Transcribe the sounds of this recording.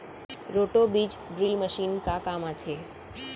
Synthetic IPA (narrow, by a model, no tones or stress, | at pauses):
ɾoʈobid͡ʒɖɾilməʃinkakamat͡ʃʰe